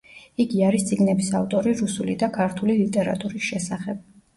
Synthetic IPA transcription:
iɡiaɾist̪sʼiɡnɛbisavt̪ʼɔɾiɾusulid̪akʰaɾt̪ʰulilit̪ʼɛɾa̰t̪ʼuɾisʃɛsaχɛb̥̚

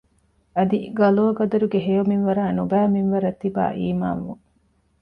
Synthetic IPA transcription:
ɐd̪iɡɐloːɡɐd̪ɐɾuɡeɦejominʋɐɾaːnubæːminʋɐɾɐt̪ːiba̰ːʔiːma̰ːnʋuŋ

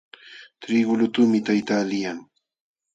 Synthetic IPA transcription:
t̪ɾɪɡʊlʊt̪ʊmɪt̪ajɪt̪aːlɪjaŋ

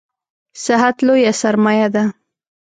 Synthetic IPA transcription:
saɦat̪lojasaɾmajad̪a

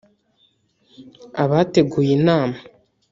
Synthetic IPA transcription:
aβate̞ɡujinaːma

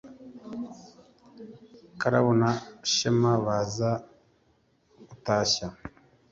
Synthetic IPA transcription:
kaɾaβunaʃemaβaza | utaːɕa

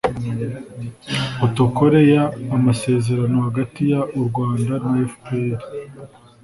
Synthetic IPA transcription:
utoko̞ɾe̞jaːmase̞ːze̞ɾano̞haɡatijauɾɡwaːndannaefupeːɾi

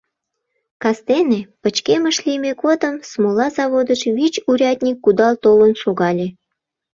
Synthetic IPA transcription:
kɑst̪enepət͡ɕkeməʃlimekod̪əmsmolɑzɑβod̪əʃβit͡ɕuɾʲɑt̪ʲnʲikːud̪ɑlt̪olənʃoɣɑlʲe

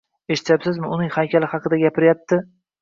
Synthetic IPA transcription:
eʃɪt̪japsɪzmɪʊnɪŋhajkʲalɪhɑqʰɨd̪aɡʲapʰɪɾjap̚t̪ʰɪ

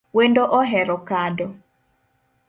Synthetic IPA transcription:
wendoʔɔɦɛɾɔkadɔ

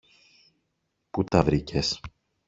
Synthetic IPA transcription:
put̪ɐvɾices

